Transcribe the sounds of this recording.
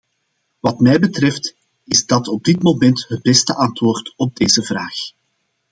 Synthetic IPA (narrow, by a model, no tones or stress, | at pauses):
ʋɑtmɛjbətrɛft | ɪzdɑtɔb̚dɪtmomɛntɦəd̚bɛstəʔɑntwoːrtɔb̚deːzəvraːx